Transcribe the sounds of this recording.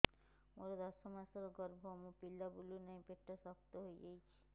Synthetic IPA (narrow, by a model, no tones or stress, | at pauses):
moɾed̪ɔsomasɔɾɡɔɾbʱoɔmopilːabulunajpeʈːasɔpt̪oɦojɡejt͡ʃʰi̥